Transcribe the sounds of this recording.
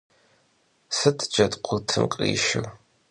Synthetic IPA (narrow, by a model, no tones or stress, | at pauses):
sɨtʰd͡ʒɐtqʷʰʊtʰɨmqʼḭːʃɪ̰w